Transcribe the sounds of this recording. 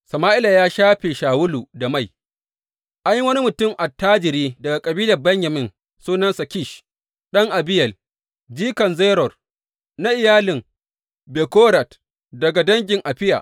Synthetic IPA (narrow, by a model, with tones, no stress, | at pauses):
sɐ˨maː˦ʔɪ˦la˨jaː˦ʃaː˦ɸeː˨ʃaː˨wʊ˦luː˨da˨ma˦˨j | ʔa˦jwɐ˦ni˦mʊ˨tʊ˦˨mʔa˨tːaː˦d͡ʒɪ˨ɾiː˦dɐ˨ɡa˨kʼɐ˨biː˦lɐ˨rbɐ˦ɲja˨mɪ˦n | suː˦nɐ˦nsa˨kʲɪ˦˨ʃ | ɗɐ˦ŋʔa˨bɪ˦jɐ˨l | d͡ʒiː˦kɐ˨nzeː˦ɾɔ˨r | na˦ʔɪ˨jaː˦lɪ˨ŋ | be˨koː˦ɾa˨t | dɐ˨ɡa˨dɐ˦ŋɡʲɪ˨ŋʔa˨ɸɪ˦ja̰ː˨ʔ